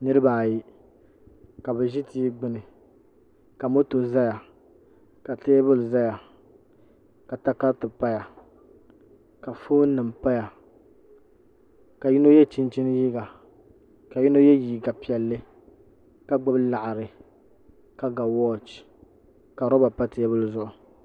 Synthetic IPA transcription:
nɨ˦ɾɨ˦baː˨ji˦ | ka˨bɛ˨ʒi˦tiː˦ɡ͡bɪ˦nɨ˨ | ka˨mo˦to˨za˦ja˨ | ka˨teː˦bʊ˦lza˦ja˨ | ka˨ta˦ka˦tɨ˨pa˦ja˨ | ka˨foː˦nɨ˨m˨pa˦ja˨ | ka˨ji˦no˦jɛ˦t͡ʃi˦n˦t͡ʃi˦n˦ji˦ɡa˨ | ka˨ji˦no˦jɛ˦jiː˨ɡa˨pi˨ɛ˨lːɨ˦ | ka˦ɡ͡bɨ˦bla˨ʔa˨ɾɨ˨ | ka˦ɡa˨wɔː˦t͡ʃ | ka˨ɾɔ˦ba˨pa˦tɪ˦bɨ˦lzʊ˨˦ʔʊ˨

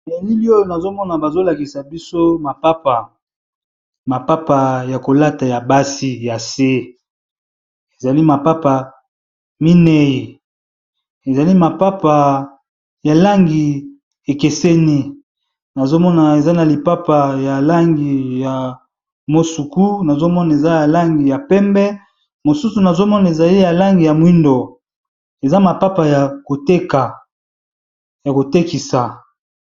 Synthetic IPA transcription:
nɛ˨ni˦li˦o˦jo˨na˨zo˦mɔ˦na˨ba˨zo˦la˨ki˨sa˨bi˦so˦ma˨pa˦pa˨ | ma˨pa˦pa˨ja˨ko˨la˦ta˨ja˨ba˦si˦ja˨se˦ | e˨za˨li˦ma˨pa˦pa˨ | mi˦nɛ˦ji˨ | e˨za˨li˦ma˨pa˦pa˨ | ja˨la˦ŋɡi˨ | e˨ke˨se˦ni˦ | na˨zo˦mɔ˦na˨e˨za˦na˨li˨pa˦pa˨ja˨la˦ŋɡi˨ja˨ | mo˦su˨ku˦na˨zo˦mɔ˦na˨e˨za˦ja˨la˦ŋɡi˨ja˨pɛ˦mbɛ˦ | mo˨su˦su˨na˨zo˦mɔ˦na˨e˨za˨li˦ja˨la˦ŋɡi˨ja˨mwi˦ndo˨ | e˨za˦ma˨pa˦pa˨ja˨ko˨te˦ka˨ | ja˨ko˨te˦ki˨sa˨

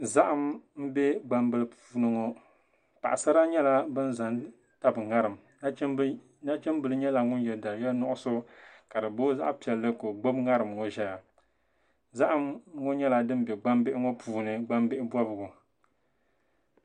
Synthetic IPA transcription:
za˦ʔa˦mm̩˦bɛ˦ɡ͡ba˦mbɨ˦lɨ˦pʰuː˨˦˨nɨ˦ŋo˦ | pa̰˨ʔa˨sa˦ɾa˦ɲɛ˦la˦bɨ˦n˦za˨n | ta˦bɨ˨ŋa˦ɾɨ˨m˨˦ | na˦t͡ʃɛ˦m˦bɨ˨lɨ˦ɲɛ˦la˨ŋʊ˦n˦jɛ˨lda˨jɛ˦lnʊ˦ʔʊ˦sʊ˦ka˨dɨ˨bo˦za̰˦ʔpi˨ɛ˨lːɨ˦ko˨ɡ͡bo˦bŋa˦ɾɨ˨mŋo˦ʒɛ˦ja˨ | za˦ʔa˦mŋo˦ɲɛ˦la˦dɨ˦m˦bɛ˨ɡ͡ba˦mbɪ˦ʔɪ˦ŋo˦pʰuː˨nɨ˨ɡ͡ba˦mbɪ˦ʔɪ˦bɔ˦bʊ˨ɡʊ˨

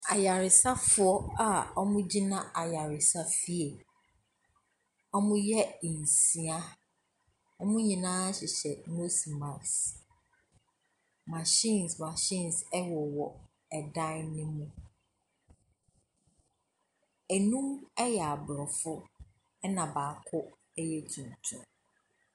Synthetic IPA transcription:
a˨ja˨ɾɪ˨sa˦fʊ˦ɔ˦a˨ɔ˦mʊ̃˦d͡ʑi˦nã˦a˨ja˨ɾɪ˨sa˦fi˦e˨ | ɔ˦mʊ̃˦jɛ˦ĩ˨n˨si˨a˦ | ɔ˦mʊ̃˦ɲĩ˨nãː˦ɕɪ˨ɕɛ˨no˦si˨mã˨s | ma˨ɕĩ˦˨nsma˨ɕĩ˦nsɛ˦wɔ˨wɔ˨ | ɛ˨dã˦nɪ̃˦mũ˦ | æ˨nũ˦mɛ˦jɛ˨a˨bɾɔ˨fʊ˦ | ɛ˦nã˨baː˨kʰʊ˦ | ɛ˦jɛ˦tʰũ˨n˨tʰũ˨˦

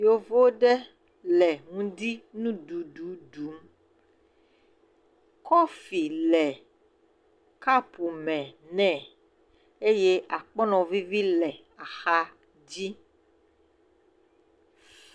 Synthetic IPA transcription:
jo˦vo˦ɖɛ˦ | lɛ˨ŋũ˦di˦nũ˦ɖu˨ɖu˨˦ɖu˨˦m | kɔ˦fi˨lɛ˨ | ka˦pu˨mɛ̃˨nɛ̃˦˨ | e˦je˦ʔa˨k͡pɔ˦nɔ̃˨vi˦vi˦lɛ˨ | a˨xa˦ | d͡ʑi˦

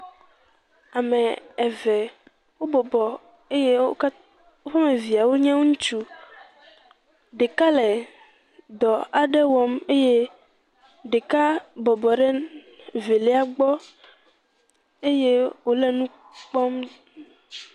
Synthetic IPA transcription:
a˨mɛ̃˨ɛ˨vɛ˨ | wo˦bɔ˨bɔ˨ | e˦je˦o˦ | wo˦fa˦mẽ˨vi˨a˨wo˦ɲɛ̃˦wo˦ŋũ˦t͡ʃu˦ | ɖe˨ka˦le˨ | d̪ɔ˨a˨ɖɛ˦wɔ˨me˦je˦ | ɖe˨ka˦bɔ˨bɔ˨ɖɛ˦ | ve˨lɛ˦a˦ɡ͡bɔ˦ | e˦je˦wo˨˦lɛ˦nũ˦ | k͡pɔ˦m

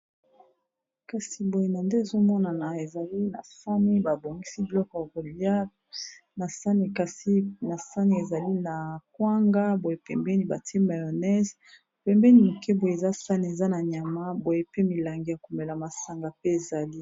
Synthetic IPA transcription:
ka˨si˨bo˨je˨na˨nde˦e˨zo˦mɔ˦na˨na˨e˨za˨li˦na̰˨sa˦ni˦ba˨bo˨ŋɡi˦si˦bi˨lɔ˦kɔ˨ja˨ko˨li˦a˦ | na˨sa˦ni˨ka˨si˦na˨sa˦ni˨e˨za˨li˦na˨kwa˦ŋɡa˦bo˨je˨pɛ˨mbɛ˦ni˨ba˨te˦ma˨jo˨nɛ˦z | pɛ˨mbɛ˦ni˨mu˨ke˦bo˨je˨e˨za˦sa˦ni˨e˨za˦na˨ɲa˨ma˦bo˨je˨pe˦mi˨la˨ŋɡi˨ja˨ku˨me˨la˨ma˨sa˨ŋɡa˨pe˦e˨za˨li˦

